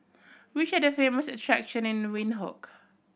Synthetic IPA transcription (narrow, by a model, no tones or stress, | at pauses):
wit͡ʃɛdəfeməsətʰɹakʃə̃nɪ̃nwĩnɦɔ̰k